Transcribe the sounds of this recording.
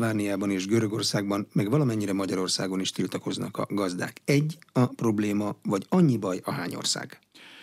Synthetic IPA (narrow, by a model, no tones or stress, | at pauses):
aːnijaːbɒneːʒɡøɾø̞ɡo̞rsaːɡ̚bɒmmɛɡʋɒlɒmɛɲːiɾɛmɒɟɒɾo̞rsa̰ːɡo̞niʃt̪ilt̪ɒko̞znɒ̰kɒ̰ɡɒzd̪a̰ːkɛɟːɒpro̞bleːmɒvɒɟɒɲːibɒjɒɦaːɲo̰rsa̰ːɡ̥